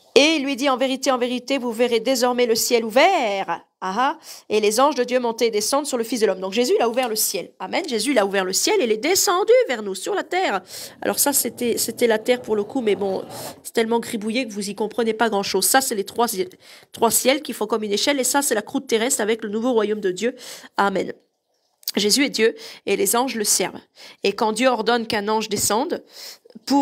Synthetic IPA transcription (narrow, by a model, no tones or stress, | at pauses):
eilːɥid̪iɑ̃veʁit̪eɑ̃veʁit̪evuveʁed̪ezɔʁmɛləsjɛluvɛʁ | aɦaelezɑ̃ʒd̪əd̪jømɔ̃t̪eːd̪esɑ̃d̪ʁsyʁləfisd̪əlɔmd̪ɔ̃kʒezyilauvɛʁləsjɛlamɛnʒezyilauvɛʁləsjɛlelɛd̪esɑ̃d̪yvɛʁnusyʁlat̪ɛːʁa̰lʔɔ̰ʁsaset̪ɛset̪ɛlat̪ɛʁpuʁləkumɛbɔ̰̃sɛ̥t̪ɛlmɑ̃ɡʁibujekəvuzikɔ̃pχənepaɡʁɑ̃ʃozsasɛlet̪χwasɛt̪χwasjɛlkʲifɔ̃kɔmyneʃɛlesasɛlakχut̪ːeʁɛst̪χavɛklənuvoʁwajomd̪əd̪jøamɛn | ʒezyɛd̪jøelezɑ̃ʒləsɛ̰ʁv | ekɑ̃d̪jøɔʁd̪ɔnkɛ̃nɑ̃ʒd̪esɑ̃d̪pu